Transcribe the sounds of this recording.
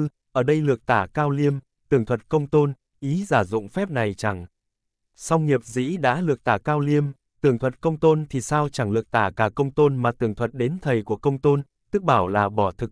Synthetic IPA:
ʔəː˧˩ɗə˧jlɨ˨˩ək̚t̪aː˧˩kaː˧wli˧əm | t̪ɨ˨˩əŋt̪ʰwə˨˩t̚kə˧wŋ͡mt̪o˧n | ʔi˨˦zaː˧˩zʊ̰˧˨ŋ͡mfɛ˦˥p̚na˨˩jt͡ɕa˧˩ŋ | sa˧wŋ͡mŋi˨˩əp̚zḭ˧˥ɗa̰ː˧˥lɨ˨˩ək̚t̪aː˧˩kaː˧wli˧əm | t̪ɨ˨˩əŋt̪ʰwə˨˩t̚kə˧wŋ͡mt̪o˧nt̪ʰi˨˩saː˧wt͡ɕa˧˩ŋlɨ˨˩ək̚t̪aː˧˩kaː˧˩kə˧wŋ͡mt̪o˧nmaː˨˩t̪ɨ˨˩əŋt̪ʰwə˨˩t̚ɗe˨˦nt̪ʰə˨˩jku˧˩əkə˧wŋ͡mt̪o˧n | t̪ɨ˦˥k̚ɓaː˧˩wlaː˨˩ɓɔ˧˩t̪ʰɨ˨˩k̚

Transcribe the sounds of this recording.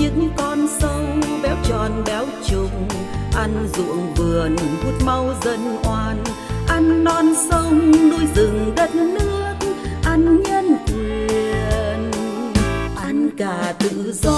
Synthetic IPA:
ɲɨ̰˧˥ŋkɔ˧nsə˧wɓɛ˨˦wt͡ɕɔ˨˩nɓɛ˨˦wt͡ɕʊ˧ŋ͡m | ʔa˧jŋ̟zṵ˧˨əŋvɨ˨˩ənvu˧˥t̚ma˧wzə˧nʔwaː˧n | ʔa˧jŋ̟ːɔ˧nsə˧wŋ͡mŋ͡mnu˧əjzɨ˨˩ŋɗə˦˥t̚nɨ˦˥ək̚ʔa˧jŋ̟ɲə˧nvi˨˩ən | ʔa˧ŋkaː˨˩t̪ɨ̰˧˨zɔ˧

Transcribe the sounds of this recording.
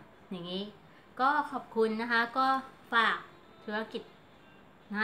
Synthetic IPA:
ja˨˩ŋiː˦˥ | kɔː˥˩kʰɔː˨˩p̚kʰu˧nːa˦˥kʰa˦˥kɔː˥˩faː˨˩k̚ | t̪ʰu˧˥ɐ˧ki˨˩t̪̚ | ŋaː˧

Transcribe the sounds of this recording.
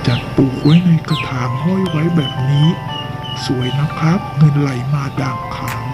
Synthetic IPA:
t͡ɕa˨˩t̪̚puː˨˩k̚wa˦˥jna˧jka˧t̪ʰaː˨˩˦ŋɦɔ˥˩jwa˦˥jbɛː˨˩p̚niː˦˥ | su˨˩˦əjna˦˥pʰa˦˥p̚ŋɤ˧nla˨˩˦jmaː˧daː˨˩ŋkʰaː˨˩˦ŋ

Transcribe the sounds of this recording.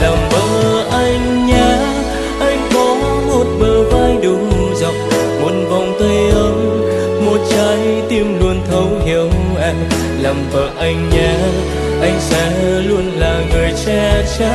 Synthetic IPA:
laː˨˩mvəː˨˩ʔa˧jŋ̟ | ɲaː˨˧˩ | ʔa˧jŋ̟kɔ˨˦ | mo˨˩t̚ɓəː˨˩vaː˧jɗɨ˨˩zə˨˩wk͡p̚ | mu˨˧˦ənva˨˩wŋ͡mt̪ə˧jʔə˨˦m | mo˨˩t̚t͡ɕaː˨˦jt̪i˧əmlu˧ənt̪ʰə˨˦whi˨˦əw | ʔa˧ŋ̟ | laː˨˩mvəː˨˩ʔa˧jŋ̟ɲaː˨˩ | ʔa˧jŋ̟sɛ̰˧˥lu˧ənlaː˨˩ŋɨ˨˩əjt͡ɕaː˧t͡ɕa˧˥

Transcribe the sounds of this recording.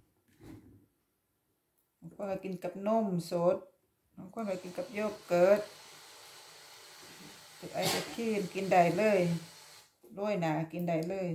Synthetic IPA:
ha˧˦kʰnka˧˩ki˨˦nka˨˧˩p̚no˧˥˨mso˨˦t̪̚ | ha˧˦kʰːnba˧˩ki˨˦nka˨˦p̚joː˧˥˩p̚kɤː˨˦t̪̚ | t̪u˧˩ʔa˧˩jt͡ɕa˧˩kʰiː˧˩nki˨nda˨˩jlɤː˧˥˨j | lu˧˩˨jnaː˨˦ki˨nda˨˩jlɤː˧˩˨j

